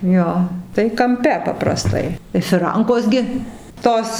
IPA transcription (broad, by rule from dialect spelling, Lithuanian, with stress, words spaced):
ˈjoː tɐɪ kɐmʲˈpʲɛ pɐprɐˈstɐɪ ɪ fʲɪˈrɐŋkoːs ɡʲɪ ˈtoːs